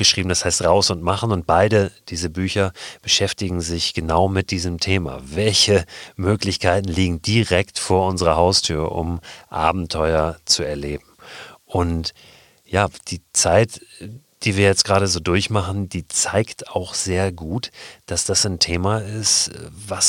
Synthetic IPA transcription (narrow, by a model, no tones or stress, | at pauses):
ɡ̥əʃʁ̥iːbm̩dashaɪstʁaʊsʊntmaχn̩ʊnt̚b̥aɪɾəd̥iːzəbyːçɐb̥əʃɛftɪɡŋ̩zɪçɡ̥ənaʊmɪt̚d̥iːzəmtʰeːma̰vɛlçəmøːklɪçkʰaɪtn̩liːɡŋ̩diʁɛktfoːɐʔʊnzəʁɐhaʊstʰyːɐʔʊ̰mʔa̰ːbm̩tʰɔʏɐt͡suɛɐleːbm̩ʔʊnt | jaːd̥iːt͡saɪtd̥iːviːɐjɛt͡stɡ̥ʁaːɾəzoːdʊɐçmaχn̩d̥iːt͡saɪktaʊxz̥eːɐɡuːtd̥asd̥asantʰeːmaɪstvas